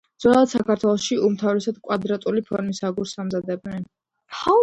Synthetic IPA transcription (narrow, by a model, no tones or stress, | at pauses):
d̪z̥wɛlˠad̪̥sakʰaɾt̪ʰwɛlˠɔsʃiumt̪ʰavɾɛsad̪kʼwad̪ɾat̪ʼulipʰɔ̰ɾmisaɡuɾsamzad̪ɛbnɛn